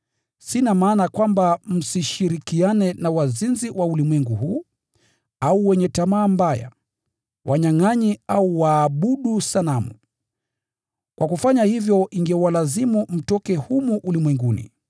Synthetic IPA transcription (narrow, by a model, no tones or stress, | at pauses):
sinamaːnakwambam̩siʃiɾikianɛnawazinziwaulimwɛŋɡuhuː | auwɛɲɛtamaːmbaja̰ | wʔaɲaŋaɲiauwaːɓuɗusalamṵ | kwʔakufaɲahivjɔʔiŋɡɛwalazimum̩tɔkɛhumuʔulimwɛŋɡunḭ